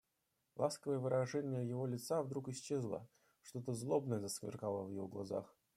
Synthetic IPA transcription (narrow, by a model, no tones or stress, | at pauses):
lˠaskəvəjəvɨɾɐʐɛnʲɪjəjɪvo̞lʲɪt̪savd̪ɾukɪɕt͡ɕːezlˠə̰ | ʂt̪o̞t̪əzlˠo̞bnəjəzəskmʲɪ̰rkalˠəvjɪvoɡlˠaza̰x